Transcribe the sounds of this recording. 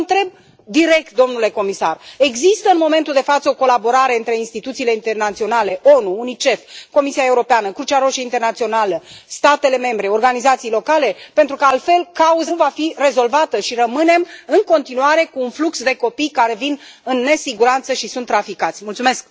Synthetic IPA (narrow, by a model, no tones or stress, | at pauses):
nt̪ɾe̞b̚ | d̪iɾe̞k̚t̪̚d̪o̞mnule̞ko̞misa̰re̞ɡzist̪əɨnmo̞me̞nt̪uld̪e̞fat̪səoko̞labo̞ɾaɾe̞ɨnt̪ɾe̞inst̪it̪ut̪siːle̞int̪e̞rnat̪sio̞nale̞ʔo̞nuːnit͡ʃe̞fko̞misiae̞uɾo̞peanəkɾut͡ʃaɾo̞ʃiint̪ernat̪sio̞naləst̪at̪e̞le̞me̞mbɾe̞o̞rɡanizat̪sijlo̞kale̞pe̞nt̪ɾukəalt̪fe̞lkauzvafire̞zo̞lvat̪əʃirəmɨne̞mɨŋko̞nt̪inuaɾe̞kuːnfluksd̪e̞ko̞pijkaɾe̞vin | ɨnːe̞siɡuɾant̪səʃisunt̪ːɾafikat̪sʲmult̪sume̞sk̚